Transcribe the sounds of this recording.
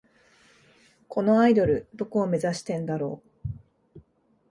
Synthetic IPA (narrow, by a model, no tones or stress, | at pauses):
ko̞no̞aid̪o̞ɾɯ̟d̪o̞ko̞ːme̞zaɕi̥t̪ẽ̞nd̪aɾo̞ː